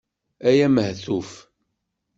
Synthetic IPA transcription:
æjæməhθuf

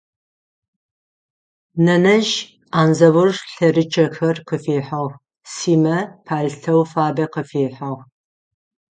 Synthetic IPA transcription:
nɐnɐʒ | aːnzɐwʊrɬɐrɨt͡ʃʰʼɐxɐrqəfeːħɐʁ | siːmɐpʰaːɮtʰɐwfaːbɐqəfeːħɐʁ

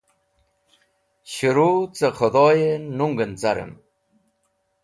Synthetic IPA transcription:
ɕiɾut͡sexʰod̪oːjenuŋɡənt͡saɾə̰m

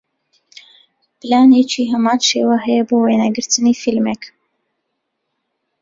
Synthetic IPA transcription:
plɑːnit͡ʃʰiːɦəmɑːnʃewaɦɛjɛboːwenæɡɨɾt̪ʰəniːfilmɛk

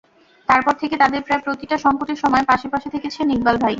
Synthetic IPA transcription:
t̪aɾpɔɾt̪ʰeket̪ad̪eɾpɾaepɾot̪iʈaʃɔŋkoʈeɾʃɔmɔepaʃepaʃet̪ʰeket͡ɕʰeniɡ̚balbʱaj

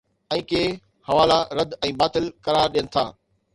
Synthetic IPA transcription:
ɛ̃ːkeː | hɐʋaːlaɾɐd̪ʱɛ̃ːbaːt̪ɪlkɐɾaːɾɗijənɪ̆t̪ʰa̰ː

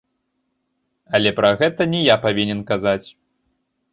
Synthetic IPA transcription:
ɐlʲɛpɾɐɣɛt̪ɐnʲɛjapavʲinʲɛnkazat͡sʲ

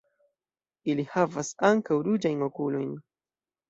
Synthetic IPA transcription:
ilihavasaŋkawɾud͡ʒajnokulojn

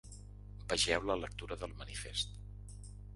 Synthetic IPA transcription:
bəʒɛwlələk̚t̪uɾəðəlˠmənifḛst̪

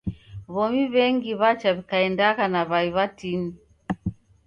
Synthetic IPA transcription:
βɔmiβɛŋɡiβat͡ʃaβikaɛndaɣanaβaiβatini

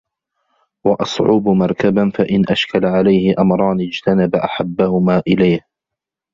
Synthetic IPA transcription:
wɑʔɑsˤʕuːbmɑɾˤkabanfaʔɪnʔaʃkalaʕalajhɪʔamɾˤɑːnɪd͡ʒt̪ʰanabaʔaħabːahʊmaːʔɪlajh

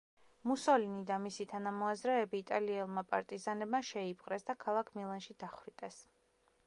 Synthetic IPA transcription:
musɔlinid̪amisit̪ʰanamɔazɾɛːbiːt̪ʼaliɛlˠmapʼa̰ɾt̪ʼizanɛbmaʃɛipʰqʼɾɛsd̪akʰalˠakʰmilˠanʃid̪aχwɾit̪ʼɛs

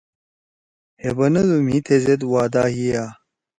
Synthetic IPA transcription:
hebɐnɐd̪umit̪ʰezed̪waːd̪aːɦijaː

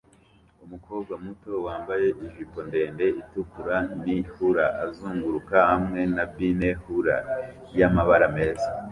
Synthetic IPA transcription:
umuko̞ːb̚ɡamuto̞waːmbaje̞ʔiʒipo̞nde̞ːnde̞ʔitukuɾanihuɾaʔazuːŋɡuɾukahamŋe̞nabbine̞huɾa̰ | jamaβaɾame̞ːza

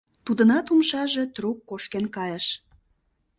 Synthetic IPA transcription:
t̪ud̪ənɑt̪umʃɑʒe̽t̪rukːoʃkenkɑjəʃ

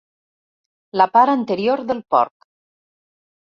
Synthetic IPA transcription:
lapaɾənt̪əɾioɾðəlˠpɔ̰ɾk

